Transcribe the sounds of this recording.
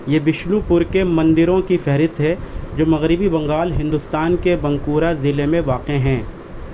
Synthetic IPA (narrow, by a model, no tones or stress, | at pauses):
jeːbɪʃlupʊɾkemɐ̃nd̪ɪɾõkifɛɦɾɪst̪ɦɛd͡ʒoːmɐɣɾɪbibɐ̃ŋɡaːlɦɪ̃nd̪ʊst̪aːnkebɐ̃ŋkuːɾazɪlemẽʋaːqeɦɛ̃ː